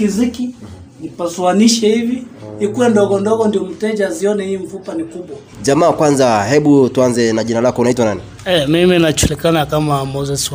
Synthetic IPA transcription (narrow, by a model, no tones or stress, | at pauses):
kiziki | nipaswaniʃɛhiviikuwɛndɔɣɔndɔɡɔndiɔm̩tɛd͡ʒaziɔnɛhiːɱ̩fupanikuɓwa | ʄamaːkwanzahɛɓutuanzɛnaʄinalakɔunaitwanani | ɛmiminat͡ʃulikanakamamɔzɛs